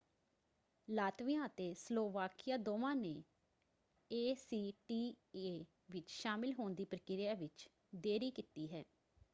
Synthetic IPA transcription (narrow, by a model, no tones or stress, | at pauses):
laːt̪ʋɪjãːət̪eːsloːʋaːkɪjaːd̪oːʋãːneː | eːsiːʈiː | eː | ʋɪt͡ʃʃaːmɪlɦoːnd̪iːpəɾəkɪɾjaːʋɪt͡ʃ | d̪eːɾiːkiːt̪iːɦɛː